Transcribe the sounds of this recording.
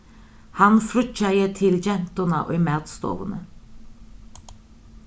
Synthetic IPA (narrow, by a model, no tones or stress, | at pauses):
hɑnfɾʉt͡ʃæjət̪ʰɪld͡ʒɛnt̪ʊnɑʔo̰ɪmæːt̪st̪o̰ːʋənə̰